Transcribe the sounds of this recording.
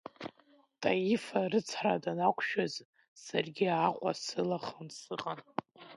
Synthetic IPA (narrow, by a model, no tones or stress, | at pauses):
tʼajifarɨt͡sʰradanakʷʼʰʃᶣaz | sarɡʲiaqʷʼa̰sɨlaχənsɨqʼan